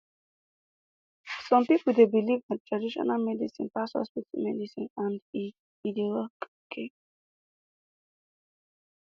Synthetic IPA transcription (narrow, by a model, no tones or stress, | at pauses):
sɔ̃mpipl̩d̪ebilivdattʰɹadiʃɔ̰nalmɛdisḭ̃npashɔ̰spitimɛdisĩnãndi | idiolɔk | kʰe